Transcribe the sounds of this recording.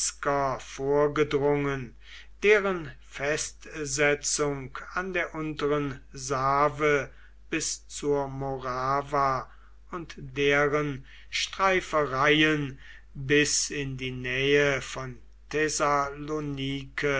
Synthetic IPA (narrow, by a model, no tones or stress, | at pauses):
skɐfoːɐɡədʁʊŋən | d̥eːʁən | fɛstzɛt͡sʊŋkandeːɐʔʊntəʁənzaːvə | b̥ɪst͡suːɐmoʁaːva | ʊntd̥eːʁən | ʃtʁ̥aɪfəʁaɪən | bɪsɪndiːnɛːəfɔn | tʰɛzaloniːkʰə